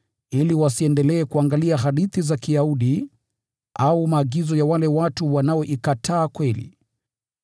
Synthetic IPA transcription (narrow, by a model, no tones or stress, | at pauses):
iliwasiɛndɛlɛːkuaŋɡaliaɦaɗiθizakijauɗi | aumaːɡizɔjawalɛwatuwanaɔʔikatʰaːkwɛlḭ